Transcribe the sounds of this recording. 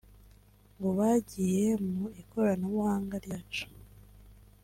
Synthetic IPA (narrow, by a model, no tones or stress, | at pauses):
ŋɡoβaɟije̞muiko̞ɾanoβwhaːŋɡaɾjaːt͡ʃu̥